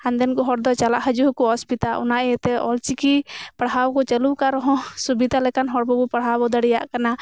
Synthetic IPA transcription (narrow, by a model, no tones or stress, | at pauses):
ãnd̪ɛnkɔɦɔɾd̪ɔt͡ʃalaʔɦad͡ʒuɦkuɔspit̪aʔɔ̰naʔɛɛt̪ɛɔlt͡ʃikipaɽɦawkɔt͡ʃəlukaɾɔɦɔ̃subid̪alɛkanɦɔɽbɔbupaɽɦabɔd̪aɽɛjaʔkana